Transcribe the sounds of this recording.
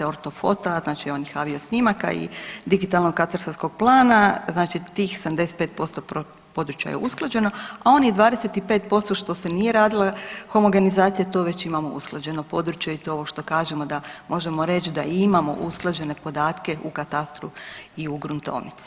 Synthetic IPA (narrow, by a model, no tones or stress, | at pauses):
eo̞ɾt̪o̞fo̞t̪aznaːt͡ʃio̞njexaːʋio̞snimaka̰ḭd̪iɡit̪alˠnoɡkat̪aɾsasko̞ɡ̚plˠaːnaznaːt͡ʃit̪iːxsamd̪ese̥t̪peːt̪̚po̞st̪opo | po̞d̪ɾut͡ʃja̰jḛusklˠad͡ʑe̞noao̞nid̪ʋaːd̪eset̪ipe̞ːt̪po̞st̪o̞ʃt̪o̞se̞nije̞ɾaːd̪ilˠaxo̞moɡenizaːt̪sijet̪o̞ːʋe̞t͡ɕimamoṵsklˠad͡ʑe̞nopo̞d̪ɾut͡ʃjejet̪ooʋo̞ʃt̪o̞kaːʒe̞mo̞d̪amʔo̞ʒe̞mo̞ɾe̞t͡ʃd̪aimamo̞̰ʔusklˠad͡ʑe̞ne̞po̞d̪aːt̪ke̞ʔukat̪ast̪ɾuiuɡɾunt̪o̞̰ːʋnit̪si̥